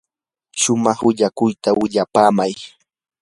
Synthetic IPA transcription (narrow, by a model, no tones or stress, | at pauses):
ʃʊmɑχwɪʎakʊjt̪awɪʎapaːmaj